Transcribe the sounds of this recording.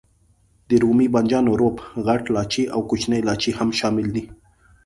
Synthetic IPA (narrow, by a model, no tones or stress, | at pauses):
d̪əɾumiband͡ʒɑnoɾobɣaʈlɑt͡ʃeʔawkut͡ʃnəjlɑt͡ʃihamʃɑmɪld̪i